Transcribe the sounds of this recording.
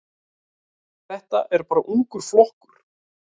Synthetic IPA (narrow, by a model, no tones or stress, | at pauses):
θɛht̪a̰ʔɛɾpaːɾaʔuŋkʏɾ̥flɔhkʏɾ̥